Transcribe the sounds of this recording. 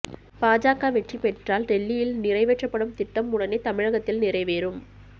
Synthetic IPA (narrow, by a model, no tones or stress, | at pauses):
paːd͡ʒaːkaːʋɛʈripɛʈraːlɾɛɭːijɪlnɪrɐɪʋɛʈrɐpːɐɽɯmt̪ɪʈːɐmːʊɽɐneːt̪ɐmɪɻɐɣɐt̪ːɪlnɪrɐɪʋeːɾɯm